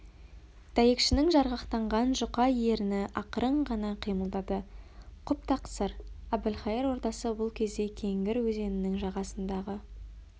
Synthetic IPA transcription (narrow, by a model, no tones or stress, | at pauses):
d̪̥æje̞kʃɪnɪŋʒɑɾʁɑqt̪ɑɴʁɑnʒʊqɑje̞ɾɪnɪʔɑqəɾəɴʁɑnɑqʰijməlˠd̪ɑd̪əqʰʊp̚t̪ʰɑqsəɾæb̪ɪlχɑjeɾwo̞ɾt̪ɑsəbʊlˠkʲʰe̞zd̪e̞kʲʰe̞ŋɡʲɪɾwɵze̞nɪnɪŋʒɑʁɑsənd̪ɑʁə